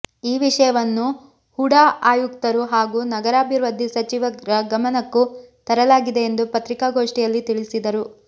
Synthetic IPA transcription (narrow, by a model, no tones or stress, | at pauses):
iːʋiʂɐjɐʋɐnːu | huɽaʔaːjukt̪ɐɾuɦaːɡuːnɐɡɐɾaːbʱiɾʋɐd̪ʱːisɐt͡ʃiʋɐɾɐɡɐmɐnɐkːut̪ɐɾɐlaːɡid̪e̞ːnd̪upɐt̪ɾikaːɡo̞ːʂʈijɐlːit̪iɭisid̪ɐɾu